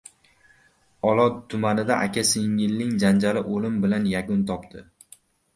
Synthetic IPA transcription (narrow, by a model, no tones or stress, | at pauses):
ɒlˠɒt̪ʰːʊmanɪd̪aʔa̰kʲʰaseŋɪlːɪŋd͡ʒand͡ʒalɪʔolɪmbɪlanjakʊnt̪ʰɒpt̪ʰɪ